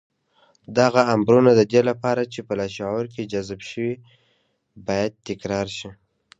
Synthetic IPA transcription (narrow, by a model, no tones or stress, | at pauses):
d̪aɣaːmbɾunad̪əd̪elapɑɾat͡ʃepəlɑʃawaɾked͡ʒazbʃəwi | bɑjad̪̚t̪ɪkɾɑɾʃi